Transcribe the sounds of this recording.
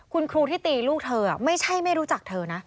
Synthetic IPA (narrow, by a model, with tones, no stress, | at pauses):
kʰu˧nkʰɾuː˧t̪ʰiː˥˩t̪iː˧luː˥˩k̚t̪ʰɤː˧a˨˩ma˥˩jt͡ɕʰa˥˩jma˥˩jɾuː˦˥t͡ɕa˨˩k̚t̪ʰɤː˧na˦˥